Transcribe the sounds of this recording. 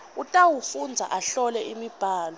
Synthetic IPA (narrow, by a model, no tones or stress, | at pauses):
utʼawufund͡zʱa̰ʔaɬɔlɛimib̥ʱaːlɔ